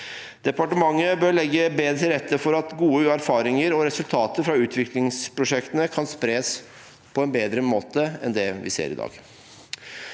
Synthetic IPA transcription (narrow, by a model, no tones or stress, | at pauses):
d̪̥ɛpɑʈəmɑŋːəbøɾɭɛɡːəbeːd̪ɾəɾɛt̪ːəfɔɾɑt̪ɡuːəæɾfɑːɾɪŋəɾɔɾɛsʉlt̪ʰɑːt̪əɾfɾɑʉːt̪ʰʋɪklɪŋspɾʊʂɛkt̪ənəkʰɑnspɾeːəs | pʰɔɛnbeːd̪ɾəmoːt̪əɛ̰nd̪ɛʋɪ̰sḛːɾɪd̪ɑ̰ːɡ